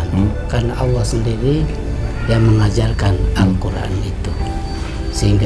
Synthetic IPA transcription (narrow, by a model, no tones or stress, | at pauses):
nkarnaʔɑlːɑhsəndiɾi | jaŋməŋad͡ʒarkanaŋkuɾa̰a̰nit̪u | səɦiŋɡa